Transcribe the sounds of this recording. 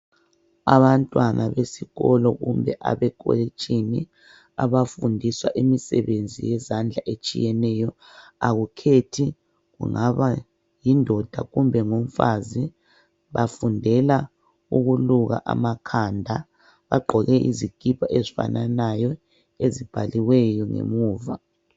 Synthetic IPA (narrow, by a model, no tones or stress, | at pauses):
a̰βantʼwanʔaβesiɣɔlɔɣṵmbʱɛʔa̰βɛkʼo̰lit͡ʃʼini | a̰βafundʱiswa̰ʔimisɛβend͡zʱḭjɛzand͡ɮʱaʔet͡ʃʼḭjɛnɛjɔ | aɣukʰetʰi | ɣṵŋaβa | jindʱɔd̥ʱaɣumbʱɛŋom̩fazi | βafundʱɛla | uɣuluɣa̰ʔamakʰandʱa | βaɡ͡ǃʱɔɣɛʔḭziɡ̥ʱipaʔezifa̰nanajɔ | ezib̥ʱaliwɛjɔŋḛmuːva